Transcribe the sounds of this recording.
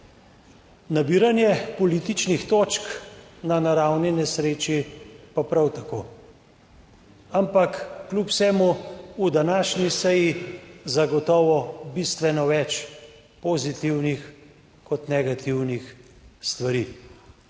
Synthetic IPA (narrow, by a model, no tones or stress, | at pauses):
nabiːɾanjɛpɔliːt̪it͡ʃnixt̪oːt͡ʃknanaɾawnɛnɛsɾeːt͡ʃipapɾawt̪ako̰ː | ampakːlupwsɛːmuud̪anaːʃnisɛjizaɡɔt̪ɔːʋɔbist̪ʋɛnɔʋɛt͡ʃ | pozit̪iwnix | kɔt̪nɛɡat̪iwnixst̪ʋaɾi